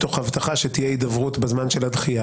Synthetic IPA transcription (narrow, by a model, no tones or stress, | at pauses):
t̪o̞χhavt̪aχaʃet̪ijeid̪avʁut̪bezmanʃelad̪χija